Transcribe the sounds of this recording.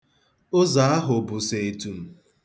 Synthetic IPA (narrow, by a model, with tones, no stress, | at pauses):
ʊ˦za˨˦a˦ɦʊ˨bʊ˨se˨e˨tu˨m̩˨